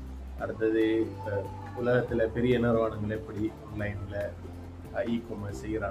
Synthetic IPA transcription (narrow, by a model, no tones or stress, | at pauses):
ɐɾɯt̪ːɐðɯ | ʊlɐɣɐt̪ːɪlɐpɛɾɪjɐɛnːɐɾɐʋaːɳɯŋɡɐɭɛpːɐɽiɔnlɐɪnɪlɐ | ɐikɔmɐsɛjːɪɾaː